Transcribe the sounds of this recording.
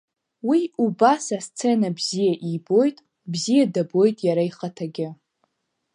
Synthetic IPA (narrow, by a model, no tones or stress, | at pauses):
wiubasast͡sʰe̞nabzijaʔibo̞jtʼ | bzijadabo̞jtʼjaɾaiχatʰaɡʲɪ